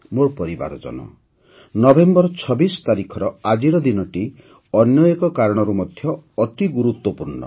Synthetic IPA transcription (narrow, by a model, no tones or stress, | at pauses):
moɾpɔɾiba̰ɾɔd͡ʒɔ̰nɔ̰ | nɔbʱembɔɾɔt͡ʃʰɔbisɔ̥t̪aɾikʰɔɾɔad͡ʒiɾɔd̪inɔʈi | ɔnjɔjekɔkaɾɔɽ̃ɔɾumɔd̪ʱjɔːt̪iɡuɾut̪wɔpuɾɳɔ̰